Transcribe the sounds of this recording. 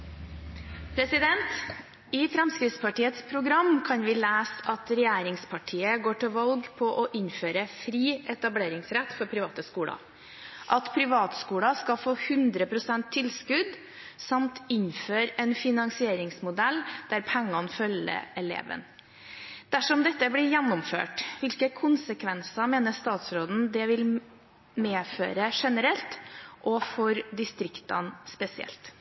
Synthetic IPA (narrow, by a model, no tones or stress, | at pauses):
pʰɾɛsɪd̪ɛnt̪ | ɪfɾɛmskɾɪt̪spɑʈiːət̪spʰɾʊɡɾɑmkʰɑnʋɪːlæːsɑt̪ɾɛjæːɾɪŋspʰɑʈʰiːəɡoːʈɪlʋɑlɡpʰɔʔɔʔɪɲføːɾəfɾiːʔɛt̪ɑbleːɾɪŋsɾɛt̪ːfɔɾpʰɾɪʋɑːt̪əskuːlɑ̰ | ʔɑt̪pʰɾɪʋɑːt̪skuːlɑskɑfoːhʉnd̪ɾəpʰɾʊsɛnt̪ʰːɪlskʉd̪ | sɑmt̪ɪnføːɾɛnfɪnɑŋsɪeːɾɪŋsmʊd̪ɛld̪̥æɾpʰɛŋːɑnfœlə̰ɛlḛːʋə̰n | d̪̥æʂɔmd̪ɛt̪ːəblɪɾjænːʊmfø̰ːʈʋɪlkəkʰʊnsəkʰʋɛnsɑmeːnəst̪ɑːt̪sɾoːd̪n̩d̪ɛʋɪl | meːfø̰ːɾəʂɛnəɾɛlt̪ʔɔfɔɾd̪ɪst̪ɾɪkt̪ɑ̰nspɛsɪɛ̰lt̪